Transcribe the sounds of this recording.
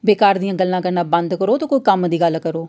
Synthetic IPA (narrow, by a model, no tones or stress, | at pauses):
beːkaːɾd̪ijãːɡəlːãːkəɾnãːbə̃nd̪kəɾoːt̪õːkoːiːkəmd̪iːɡəlːkəɾoː